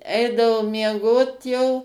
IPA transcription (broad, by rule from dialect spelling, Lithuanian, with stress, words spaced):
ˈɛɪdɐʋoː mʲiɛˈɡoːt jɛʊ